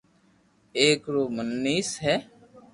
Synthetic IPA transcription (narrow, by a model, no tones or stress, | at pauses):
eːkɾoːmənːiːsɦɛː